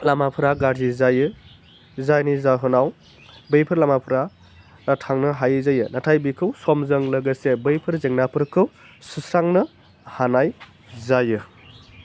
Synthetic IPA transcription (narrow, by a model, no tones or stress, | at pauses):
lamapʰɯɾaɡaɾzizajɯ | zajnizaɦɯnaw | bɯjpʰɯɾlamapʰɾa | atʰaŋnɯɦajɯzajɯnatʰajbikʰɯwsɔmzəŋlɐɡɯsebɯjpʰɯɾzeŋnapʰɯɾkʰɯw | susɾaŋnɯ | hanaj | zajɯ